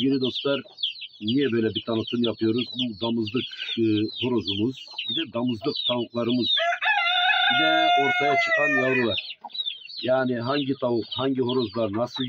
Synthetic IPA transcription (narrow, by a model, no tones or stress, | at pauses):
ɟilʲid̪o̞st̪lˠaɾnijɛbø̞jlʲɛbit̪ʰanɯt̪ʰɯmjapʰɯjo̞ɾuzbud̪amɯzlˠɯkhoɾozumɯzbid̪ɛd̪amɯzlˠɯkt̪ʰanɯklˠaɾɯmɯz̥ | bid̪ɛo̞ɾt̪ʰajat͡ʃʰɯ̥qanjajɾɯlˠaɾ̥ | jaːniɦaɲɟit̪ʰavuqhaɲɟiɦo̞ɾo̞zlˠaɾnasɯlˠ